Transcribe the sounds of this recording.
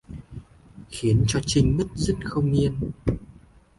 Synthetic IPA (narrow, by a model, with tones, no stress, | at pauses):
xi˨˦ənt͡ɕɔ˧t͡ɕï˧ŋ̟mə˦˥t̚zə˦˥t̚xə˧wŋ͡mi˧ən